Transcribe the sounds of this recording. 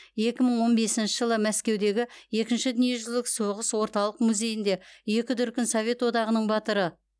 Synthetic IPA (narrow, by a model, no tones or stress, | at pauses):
je̞kʲɪməɴwo̞nbe̞sɪnʃɪʒəlˠəmæskʲe̞wd̪e̞ɡʲɪe̞kʲɪnʃɪd̪ɪnije̞ʒʏzlɪkso̞ʁəswo̞ɾt̪ɑlˠəqmuzʲe̞jɪnd̪e̞je̞kʲɪt̪ʏɾkʲɪnsovʲe̞t̪wo̞d̪ɑʁənəɴbɑt̪əɾə